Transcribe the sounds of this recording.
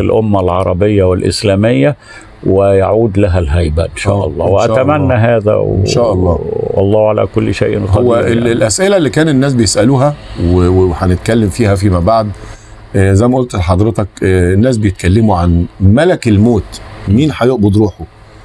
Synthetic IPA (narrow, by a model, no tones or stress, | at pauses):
ɪlʔomːælʕɑɾˤɑbejːæwelʔɪ̰slæːmejːæ | wejaʕuːd̪læɦælɦæjbæ̰ʔenʃæ̰æːʔɑ̰lˤːɑ̰ːweʔææːt̪æmænːæɦæːðæ̰wnʃæːʔɑlˤːɑːwɑ̰lˤːɑːhʕalæ̰kolːʃḛːʔnqhɑowːæʔelʔæsʔelælːikæːnenːæːs̬bejesʔæluːɦæweweħænet̪kælːemfiːhæf̬imæbaʕd̪ | zæjmæʔolt̪ħɑd̪ˤɾet̪ɑknːæːs̬bejet̪̚kælːemuʕanmælækelmoːt̪miːnħajoʔbod̪ɾuːħo